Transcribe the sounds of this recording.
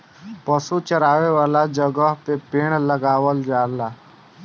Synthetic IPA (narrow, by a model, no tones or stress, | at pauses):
pəsut͡ʃəɾaːʋeʋaːlad͡ʒəɡəɦpepeːɽ̃ləɡaːwəld͡ʒaːɾlaː